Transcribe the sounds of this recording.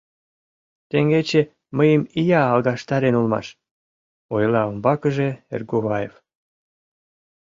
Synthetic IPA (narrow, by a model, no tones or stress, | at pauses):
t̪eŋɡet͡ɕe | məjəmijɑːlɣɑʃt̪ɑɾenulmɑ̰ʃ | ojlɑombɑkəʒeḛrɡoβɑjef